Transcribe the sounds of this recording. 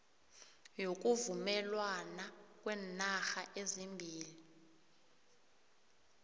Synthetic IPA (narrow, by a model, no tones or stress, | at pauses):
jok̬uvumɛlwanak̬ʼwɛnaxaʔezimbʱiːli